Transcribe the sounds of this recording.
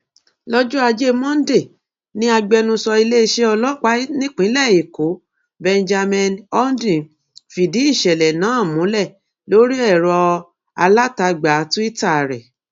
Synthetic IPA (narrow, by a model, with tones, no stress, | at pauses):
lɔ˦d͡ʒu˦a˧d͡ʒe˦mɔ̃˦n̩˦de˦˨ | nĩ˦a˧ɡ͡bɛ˧nũ˧sɔ˧i˧le˦˧ʃe˧ɔ˧lɔ˦˨k͡pa˦nĩ˦k͡pĩ˨˦lɛ˦˨i˨ko˨˦ | bɛ̃˧nd͡ʒa˧mɛ̃˧nɔ˦n˦dĩ˨ | fi˨di˨˦i˦˨ʃɛ˨lɛ˨nã˨˦˨mũ˨˦lɛ˦˨ | lo˨˦ɾi˦ɛ˦˨ɾɔ˧ | a˧la˦ta˧ɡ͡ba˨˦tũ˦i˦ta˦˨ɾɛ̰˨